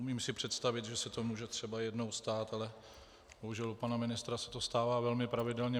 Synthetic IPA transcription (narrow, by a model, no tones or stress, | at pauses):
umiːmsɪpr̥ɛt̪st̪avɪt̪ʒɛsɛt̪omuːʒɛt̪r̝̥ɛbajɛdno̞wst̪aːt̪alɛ | boɦuʒɛlupanamɪnɪst̪ɾasɛ̥t̪ost̪aːvaːvɛlmɪpɾavɪdɛlɲɛ